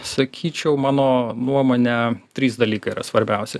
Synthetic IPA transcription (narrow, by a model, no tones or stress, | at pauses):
sɐkʲʰiːt͡ʃʲɛʊmɑːnoːnuɔmoːnʲɛt̪ʲɾʲiːsd̪ɐlʲiːkɐɪiːɾɐ̰sʋɐɾʲbʲɛˑʊsʲɪ